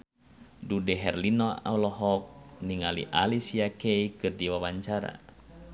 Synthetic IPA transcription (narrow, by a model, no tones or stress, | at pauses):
dudɛɦɛrlinɔa̰wlɔɦɔk̚niŋalḭʔalisiakɛikɨrdiwawaɲt͡ʃaɾa̰